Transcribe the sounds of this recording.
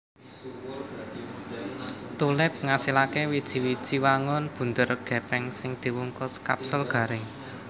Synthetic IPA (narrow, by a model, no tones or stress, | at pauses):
t̪ulɪp̚ŋasilakewid̥ʒ̥i̤wid̥ʒ̥i̤waŋʊnb̥ṳnt̪ərɡ̥ɛ̤pɛŋsɪŋd̪̥i̤wuŋkʊska̰psʊlɡ̥ä̤ɾɪŋ